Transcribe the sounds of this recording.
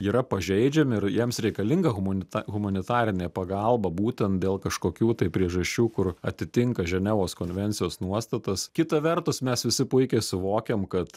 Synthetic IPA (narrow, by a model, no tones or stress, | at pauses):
iːɾɐpɐʒʲɛɪd͡ʒʲɛmʲɪɪɾjiɛmsɾʲɛɪkɐlʲɪŋɡɐɣʊmɐnʲɪt̪ːɣʊmɐnʲɪt̪ɑːɾʲɪnʲeːpɐɡɐlˠbɐbuːt̪ʲɛnt̪̚d̪ʲeːlˠkɐʃkoːkʲuːt̪ɐɪpʲɾʲiɛʒɐʃʲt͡ʃʲuːkʊrɐt̪ʲɪt̪ʲɪŋkɐʒʲɛnʲɛʋoːskoːnʲʋʲɛnʲt͡ssʲɪjoːsnuɔst̪ɐt̪ɐskʲɪt̪ɐʋʲɛrt̪ʊsmʲɛsʋʲɪsʲɪpʊɪkʲɛɪsʊʋoːkʲɛmkɐt̪